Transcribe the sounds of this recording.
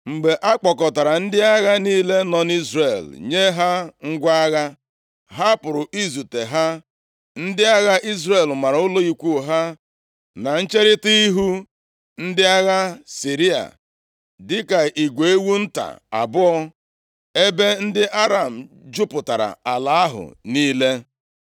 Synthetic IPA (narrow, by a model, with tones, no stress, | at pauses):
ŋ͡m̩˨ɡ͡be˨ʔa˦k͡pɔ˨kɔ˨ta˨ɾa˨n̩˦dɪ˦a˦ɣa˦niː˦le˦nɔ˨ni˦zre˨lɲe˦ɦa˦ŋ̩˦ɡʷa˦a˦ɣa˦ | ɦa˦pʊ˨ɾʊ˨ʔi˦zu˨te˨ɦa˦ | n̩˦dɪ˦a˦ɣa˦ʔi˦zɾe˨lma˨ɾʊ˦lo˦i˦kʷu˦˨ɦa˦ | na˨n̩˦t͡ʃe˦ɾɪ˦ti˦i˦ɦu˦ | n̩˦dɪ˦a˦ɣa˦si˨ɾi˦a̰˨ | dɪ˦ka˨ʔi˨ɡʷe˨e˦wu˦n̩˦ta̰˨a̰˨bʊ˦ɔ˦ | e˦be˦n̩˦dɪ˦ʔa˦ɾa˨m̩˨ | d͡ʒʊ˦pʊ˨ta˨ɾa̰˨a˨la˨a˦ɦʊ̰˨niː˦le˦